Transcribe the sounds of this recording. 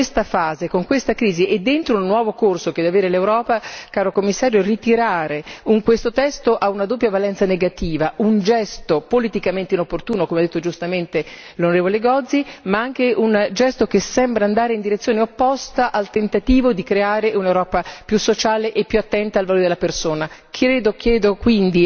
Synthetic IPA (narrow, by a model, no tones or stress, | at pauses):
est̪afaːzekoŋkwest̪akɾiːziʔed̪ːent̪ɾoulnːwɔːvokorsok̟ed̪ɛvaveːɾelewɾɔːpakaːɾokomːisːaːɾjorit̪iɾaːɾeuŋkwest̪ot̪ɛst̪oʔaunad̪oːp̬ːjavalɛnt̪saneɡat̪iːvaʔund͡ʒɛst̪opolit̪ikament̪einopːort̪uːnokomead̪et̪ːod͡ʒust̪ament̪e | lonoɾeːvoleɡɔd̪zːimaaŋk̟eʔund͡ʒɛst̪okesɛmbɾaːnd̪aːɾeind̪iɾet̪sːjoːneopːɔst̪aʔalt̪ent̪at̪iːvod̪ikɾeaːɾeʔunewɾɔːpapjusːot͡ʃaːleʔepːjuat̪ːɛnt̪aːlvaloːɾed̪elapersoːnakʰɾeːd̪ok̟jɛːd̪okwind̪i